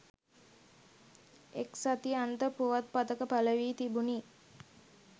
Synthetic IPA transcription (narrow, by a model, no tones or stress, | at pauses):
eksat̪iant̪əpuʋat̪̚pat̪əkəpaləʋiːt̪ibuni